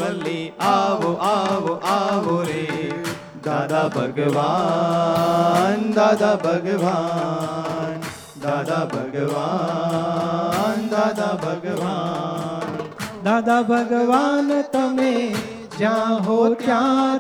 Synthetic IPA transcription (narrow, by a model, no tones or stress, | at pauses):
ɐlːeaʋoʔaʋoʔaʋoɾe | d̪aːd̪abʱɐɡɐʋa | nd̪aːd̪aːbʱɐɡɐʋaː | n | d̪aːd̪abʱɐɡɐʋa | nd̪aːd̪aːbʱɐɡɐʋa | nd̪aːd̪aːbʱɐɡɐʋaːnt̪ɐme | d͡ʒãːɦoːt̪jaː